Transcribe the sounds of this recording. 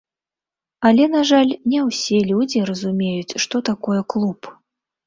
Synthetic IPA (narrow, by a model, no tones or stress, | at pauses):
ɐlʲɛnaʐalʲnʲɛwsʲɛlʲud͡zʲirɐzumʲejut͡sʲʂt̪ɔt̪akɔjɛklˠup